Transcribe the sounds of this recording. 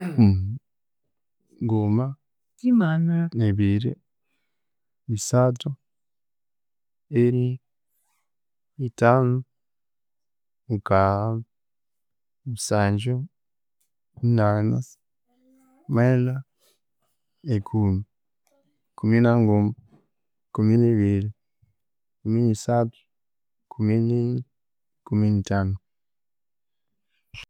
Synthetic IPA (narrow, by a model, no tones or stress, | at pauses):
ŋɡoma | imanuɾaeβiɾḛ | isatu | eɾi | itaːnu | ŋkaa | misaːɲd͡ʒo | inana | mela | ekʰumi | kuminaŋɡoma | kuminiβili | kuminisatu̥ | kʰumini | kuminitanu